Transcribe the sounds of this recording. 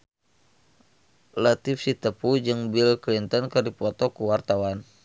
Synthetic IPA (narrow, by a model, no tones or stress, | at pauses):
lat̪ifsit̪əpud͡ʒɨŋbilklint̪ɔnkɨrdipɔt̪ɔkuwart̪awan